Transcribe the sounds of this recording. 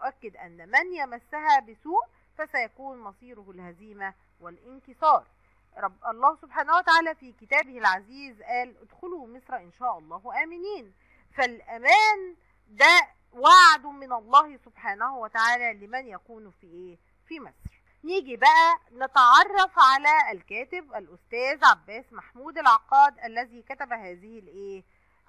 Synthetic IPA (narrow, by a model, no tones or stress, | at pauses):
nʊʔækːɪd̪ʔæ̰nːmænjæmæsːæɦæbɪsuːʔ | fæsæjækuːnmɑsˤiːɾohɪlhæziːmæ | wɪlʔɪnkesˤɑːɾˤ | ɾˤɑbʔɑlˤːɑːhsobħaːnæhwæt̪aʕaːlæːfiːkɪt̪æːbɪhɪlʕaziːzʔæːlʔɪd̪xʊlumesɾˤɑʔɪnʃæːʔɑlˤːɑːhʔæːmɪniːn | fælʔæmæːn | d̪æ | waʕad̪mɪnɑlˤːɑːhsobħaːnæhwæt̪aʕaːlælɪmænjækuːnfiʔeː | fimæsɾ | niːɡibæʔænet̪ɑʕɑrˤːɑfʕalælkæːt̪ɪbʔælʔʊst̪æːzʕabːæːsmaħmuːd̪ælʕɑqːɑːd̪ʔælːæziːkæt̪æbæɦæːzɪhɪlʔeː